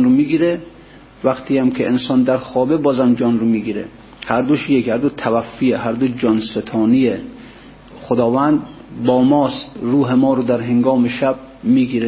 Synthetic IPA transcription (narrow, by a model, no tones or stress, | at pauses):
nɾomiɡiːɾe | væqt̪ʰijæmkʰeʔensɒːnd̪æɾxɒːbebɒːzæmd͡ʒɒnɾomiɡiːɾḛ | hæɾd̪oʃijekhæɾd̪ot̪ʰævæfːijeɦæɾd̪od͡ʒɒnset̪ʰɒːnie | xod̪ɒːvænd̪ | bɒːmɒːst̪ɾuːɦemɒːɾod̪æɾɦeŋɡɒːmeʃæb̚ | miːɡiːɾe